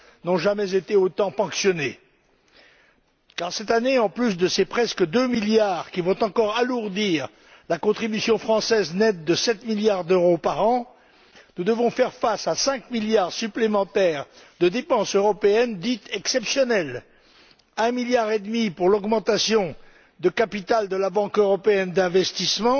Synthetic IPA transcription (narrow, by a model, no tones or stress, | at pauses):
nɔ̃ʒamɛzet̪eot̪ɑ̃pɑ̃ksjɔne | kaʁsɛt̪aneɑ̃plys̬d̪əsepχɛskəd̪ømiljaʁkʲivɔ̃t̪ɑ̃kɔʁaluʁd̪iʁ | lakɔ̃t̪χibysjɔ̃fχɑ̃sɛznɛt̪̚d̪əsɛt̪miljaʁd̪øʁopaʁɑ̃ | nud̪əvɔ̃fɛʁfasasɛ̃kmiljaʁsyplemɑ̃t̪ɛʁd̪əd̪epɑ̃søʁɔpeɛnd̪it̪ʰɛksɛpsjɔnɛl | ɛ̃miljaʁed̪mipuʁlɔɡmɑ̃t̪asjɔ̃ | d̪əkapit̪ald̪əlabɑ̃køʁɔpeɛnd̪ɛ̃vɛst̪ismɑ̃